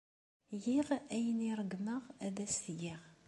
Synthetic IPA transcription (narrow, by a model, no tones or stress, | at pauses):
jiʁæjəniɾˤəɡnəʁæðæsɡiʁ